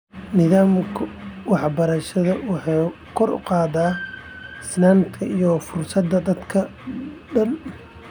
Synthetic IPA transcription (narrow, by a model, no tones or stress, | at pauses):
nɪðaːmkʰɐwɑħbɐɾɐʃɐðɐwɑħɑː | kʰɔrʊ̰qɑːðaː | ɪsnaːmt̪ʰɐʔijɔfʊrsɐd̪ːɐd̪ɐd̪kʰɐɖɐn